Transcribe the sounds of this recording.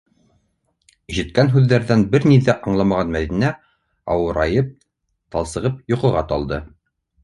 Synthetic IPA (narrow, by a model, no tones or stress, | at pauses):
ʒĭt̪̚kænɦʉðːæɾðænbɘɾniðæʔɑɴlˠɑmɑʁɑnmæðinæ | ɑ̰wɤ̆ɾɑjɤp̚ | t̪ɑlˠsɤ̆ʁɤpjŏqɤ̆ʁɑt̪ɑlˠd̪ɤ